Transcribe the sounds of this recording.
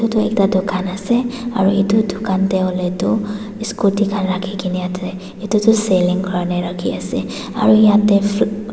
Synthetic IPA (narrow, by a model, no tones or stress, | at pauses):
tutɔɛktadokanasɛaɹuitudokantɛɔletu | iskutikʰanɹakʰikiniatʰɛ | itutɔseliŋkɔnɛɹakʰiasɛ | aɹujatɛ